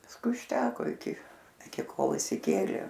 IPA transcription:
pɐsˈkʊɪ ʊʃʲˈtʲæːkoː ɪˈkʲɪ ɪˈkʲɪ ˈkoːlˠ ɪʃʲsʲɪˈkʲeːlʲeː

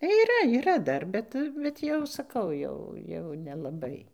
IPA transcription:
iːˈrɐ iːˈrɐ ˈdɐr ˈbʲɛt bʲɛt ˈjɛʊ sɐˈkɐʊ ˈjɛʊ jɛʊ nʲɛlˠɐˈbɐɪ

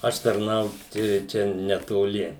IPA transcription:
ˈɐʃ tɐrˈnɐʊt ɪ ˈt͡ʃʲɛ nʲɛtoːˈlʲɪ

